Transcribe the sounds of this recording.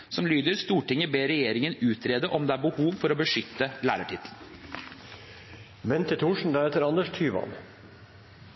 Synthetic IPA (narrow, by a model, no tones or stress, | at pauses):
sɔmlyːd̪əɾst̪uːʈɪŋəbeːɾɛjeːɾɪŋənʉːt̪ʰɾeːd̪əʔɔmd̪ɛæːɾbəhuːʋfɔɾoːbəʂʏt̪ːəlæ̰ːɾəʈʰɪt̪ʰln̩ | mɛnt̪ʰət̪ʰuːʂɳ̩d̪ɑːɛt̪əɾɑnd̪əʂt̪ʰyːʋɑ̰n